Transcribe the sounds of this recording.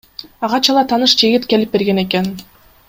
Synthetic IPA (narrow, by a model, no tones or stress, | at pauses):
ɑʁɑt͡ʃɑlˠɑt̪ʰɑnɯʃd͡ʒiɡit̪ke̞lip̚be̞ɾɡe̞ne̞ke̞n